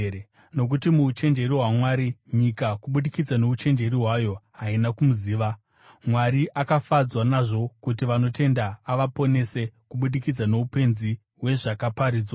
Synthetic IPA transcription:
no̞k̬utimuːt͡ʃe̞nd͡ʒe̞riwamwaːɾiɲikakuɓuɗikid͡zano̞ut͡ʃe̞nd͡ʒe̞riɦwajo̞ɦainakumuziːʋa | mwariʔakafad͡zwanaʐo̞kutiʋano̞te̞ndaːʋapo̞ne̞se̞kuɓuɗikid͡zano̞upe̞nzi | we̞ʐakapaɾiːd͡zwa

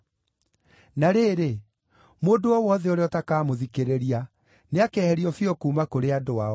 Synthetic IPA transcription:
naɾeːɾe | moːndoɔwɔðɛoɾeɔtakaːmoðikeɾeɾia | neakɛhɛɾiɔfiɔkuːmakoɾeadoa

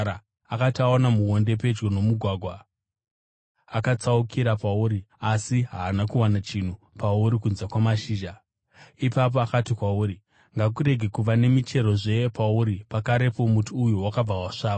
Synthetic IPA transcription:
a | akataonamuwo̞nde̞pe̞d͡ʒɡo̞no̞muɡʱwaːɡʱwa | akat͡saukʰiɾapauːɾiasiɦaːnakuwanat͡ʃin̤u | pauɾikunzakwamaʃiːʒa | ipap̬o̞akatikwauːɾi | ŋɡak̬uɾe̞ɡʱe̞kuʋane̞mit͡ʃe̞ɾo̞ʐe̞pauɾipakaɾe̞po̞mutuːjuwakab͡vawaʂaːa

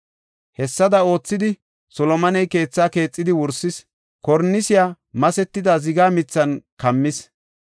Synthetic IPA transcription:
hɛsːɐd̪ɐo̞ːt͡sːɪd̪ɪ | sɔlɔmɐnɛjke̞ːt͡sːaːke̞ːt͡sʼːɪd̪ɪwʊɾsɪs | kɔɾnːɪsɪjaː | mɐsɛt̪ːɪd̪ɐzɪɡaːmɪt͡sːɐnkɐmːɪs

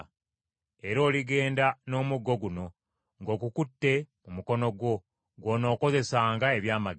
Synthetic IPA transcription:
e̞ɾo̞ːliɡe̞ːndano̞ːmuɡːo̞ɡuno̞ | ŋɡo̞ːkukutːe̞mumuko̞no̞ɡwo̞ | ɡwo̞ːno̞ːko̞ze̞saːŋɡae̞βjaːma

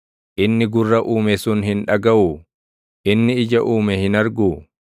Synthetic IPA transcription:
ʔɪnːɪɡʊrːɐʔuːmɛsʊnɦɪnᶑɐɡɐʔuː | ʔɪnːɪɪd͡ʒɐʔuːmɛhɪnɐɾɡuː

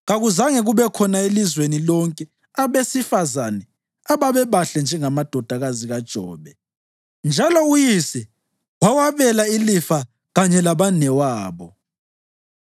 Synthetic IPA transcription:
ɣaɣuzaŋɛɣuβɛkʰɔnaelizwenilɔŋkʼɛ | aβesifazanɛ | aβaβɛβaɬɛnd͡ʒʱɛŋamad̥ʱɔd̥ʱaɣaziɣad̥ʒ̥ʱɔːβɛ | nd͡ʒʱalɔujisɛ | wawaβɛlailifa | ɣaɲɛlaβanɛwaːβɔ

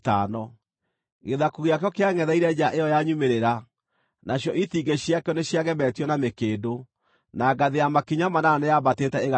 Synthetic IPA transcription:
tanɔ | ɣeðakuɣijakjɔkeaŋɛðaiɾɛd͡ʑaʔejɔjaɲumeɾeɾa | naɕjɔʔitiɡeɕjakeɔneɕjaɣɛmɛːtjɔnamekeːdo | naɡaðejamakiɲamanaanejabatetɛeɣa

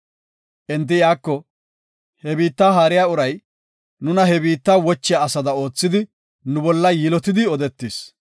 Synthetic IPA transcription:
ʔɛnt̪̬ːɪjaːkːɔ | hɛbiːt̪ːaːɦaːɾɪjaːʊɾɐj | nʊnɐɦɛbiːt̪ːaːwɔt͡ʃːɪjaːsɐd̪ɐo̞ːt͡sːɪd̪ɪ | nʊbɔlːɐjɪlɔt̪ɪd̪ɪɔd̪ɛt̪ːis

